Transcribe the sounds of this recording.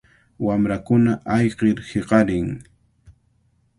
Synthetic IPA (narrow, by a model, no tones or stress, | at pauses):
wamɾakʊnaʔɑjqeɾheqɑɾɪŋ